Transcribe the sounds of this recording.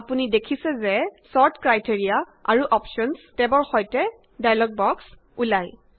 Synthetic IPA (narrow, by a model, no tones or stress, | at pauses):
apunidekʰisɛzɛsɔɹtʰkɹajteɹija | a̰ɹuʔɔpʃɔnstɛbɔɹxɔjtɛ | dajalɔɡ̚bɔks | ulaj